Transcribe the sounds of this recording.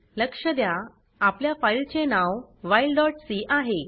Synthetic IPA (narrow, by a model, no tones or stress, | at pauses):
ləkʂəd̪jaː | pljafailt͡ɕenawʋailɖɔʈsiʔaɦe